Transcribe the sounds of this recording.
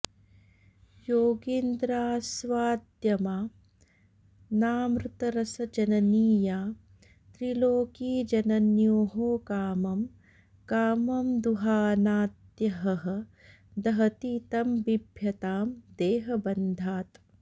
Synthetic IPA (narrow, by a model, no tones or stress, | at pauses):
joːɡiːnd̪ɾaːsʋaːd̪jɐmaː | naːmɾut̪ɐɾɐsɐd͡ʒɐnɐniːjaː | t̪ɾiloːkiːd͡ʒɐnɐnjoːɦoːkaːmɐm | kaːmɐmd̪uɦaːnaːt̪jɐɦɐɦɐ̆ | d̪ɐɦɐt̪iːt̪ɐmbibʱjɐt̪aːmd̪eːɦɐbɐnd̪ʱaːt̪